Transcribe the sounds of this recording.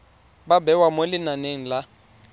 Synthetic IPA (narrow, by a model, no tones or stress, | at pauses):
babɛwamolɪnaneŋ̩la